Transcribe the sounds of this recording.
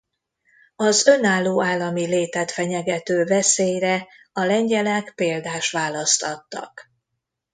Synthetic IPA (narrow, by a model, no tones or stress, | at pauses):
ɒzø̞naːlːoːaːlːɒmileːt̪at̪fɛɲɛɡɛt̪øːvɛseːjrɛ | ɒlɛɲɟɛlɛkpeːld̪aːʃt̪ʋaːlɒst̪ɒt̪ːɒ̰k